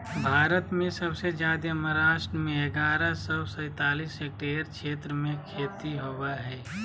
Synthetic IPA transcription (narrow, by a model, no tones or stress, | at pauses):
bʱaːɾət̪mẽsɐbsed͡ʒjaːd̪eɐməɾaːʃʈɾəmẽɐɡaːɾasɔːsɛ̃ːt̪aːliːseːk̚ʈeːɾʃeːt̪ɾəmẽkʰeːt̪iɦowaɦɛː